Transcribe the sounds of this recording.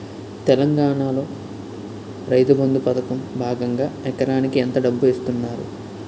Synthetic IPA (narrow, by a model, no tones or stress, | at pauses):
t̪ɛlɐŋɡaːɳaːlo̞ː | ɾɐjt̪ubɐnd̪upɐt̪ɐkɐmbʱaːɡɐŋɡaːɛkɐɾaːnikient̪ɐɖɐbːuʋeːst̪unːaːɾṵ